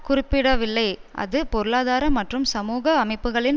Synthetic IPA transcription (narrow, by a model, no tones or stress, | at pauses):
kʊrɪpːɪɽɐʋɪlːɐɪʔɐ̰ðɯpɔɾɯɭaːðaːɾɐmːɐʈrɯmsɐmuːɣɐːmɐɪpːɯɣɐɭɪn